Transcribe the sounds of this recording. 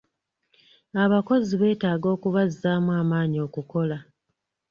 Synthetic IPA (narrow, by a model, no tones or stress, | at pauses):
aβako̞ziβe̞ːtaːɡo̞ːkuβazːaːmuwaːmaːɲio̞ːkuko̞la